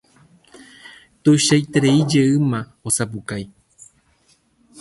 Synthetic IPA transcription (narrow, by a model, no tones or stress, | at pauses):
t̪uʃajt̪eɾeid͡ʒeɨmã | osap̬ukaj